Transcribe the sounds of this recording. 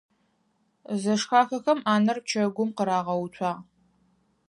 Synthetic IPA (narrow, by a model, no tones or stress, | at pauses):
zɐʂxaːxɐxɐmaːnɐr̚t͡ʃʰɐɡʷʊmqəɾaːʁɐwʊt͡ɕʷʰaː